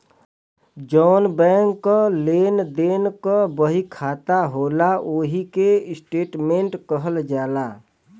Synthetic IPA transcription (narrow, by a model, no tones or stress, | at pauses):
d͡ʒɔːnbɛ̃ːŋkːoleːnd̪eːnkabəɦikʰaːt̪aɦoːlaʔoːɦikeɪsʈeːʈmẽɳʈkəɦəld͡ʒaːlaː